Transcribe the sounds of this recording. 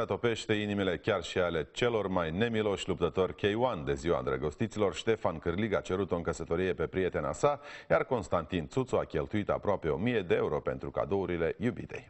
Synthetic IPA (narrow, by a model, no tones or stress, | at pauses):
at̪o̞pe̞ʃt̪e̞inimile̞kʲarʃiale̞t͡ʃe̞lo̞rmajne̞milo̞ʃlup̚t̪ət̪o̞rʲkʲejuand̪e̞ziwa̰nd̪ɾəɡo̞st̪it̪silo̞rʃt̪e̞fankɨrliɡat͡ʃe̞ɾut̪oɨŋkəsət̪o̞ɾije̞pe̞pɾije̞t̪e̞na̰sajarko̞nst̪ant̪int̪sut̪soakʲe̞lt̪uit̪a̰pɾoape̞o̞mije̞d̪e̞euɾo̞pe̞nt̪ɾuka̰d̪o̞uɾile̞jubḭt̪e̞̰j